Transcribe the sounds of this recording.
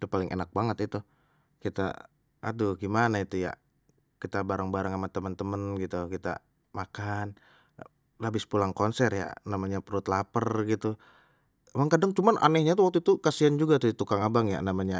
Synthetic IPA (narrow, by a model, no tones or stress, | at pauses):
t̪upalɪŋʔḛnak̚baŋət̪it̪u | kit̪a̰ | ʔa̰duɡimanait̪uja̰ | kit̪abaɾaŋbaɾaŋamat̪əmənt̪əmənɡit̪ukit̪a̰ | makan | labɪspulaŋkɔnsɛrja̰namaɲapɾʊt̪lapərɡit̪u | maŋkadaŋt͡ʃumanʔa̰nɛhɲat̪uwak̚t̪uit̪ukasiand͡ʒuɡat̪udit̪ukaŋabaŋja̰namaɲa